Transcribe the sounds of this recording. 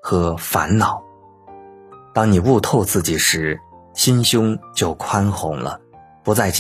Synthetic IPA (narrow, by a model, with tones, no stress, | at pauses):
xɤ˧˥fa˧˥nnɑ˨˩˦ʊ | t̪ɑ˥ŋni˨˩u˥˧t̪ʰo˥˧ʊt͡sɹ̩˥˩t͡ɕi˨˩ʂɻ̩˧˥ɕi˥nɕjʊ˥ŋt͡ɕjo˥˩ʊkʰwa˥nxʊ̰˧˥ŋlə̰˧ | pu˧˥t͡sa˥˩ɪt͡ɕ